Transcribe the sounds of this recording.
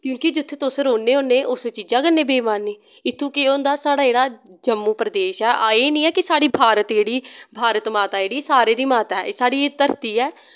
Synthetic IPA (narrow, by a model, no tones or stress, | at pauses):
kjõːkɪd͡ʒʊt̪ʰːeːt̪ʊsɾoːneːoːneːʔʊset͡ʃiːd͡ʒãːkənːeːbeːmaːnːeː | ɪt̪ʰːũːkeõːnd̪aːsaːɽaːd͡ʒeːɽaːd͡ʒəmːũːpɾəd̪eːʃɛːʔaːeːnĩːɛːkɪsaːɽiːbʱaːɾət̪d͡ʒeːɽiːbʱaːɾət̪maːt̪aːd͡ʒeːɽiːsaːɾeːd̪iːmaːt̪aɛ̰ːsaːɽiːt̪əɾt̪iːɛː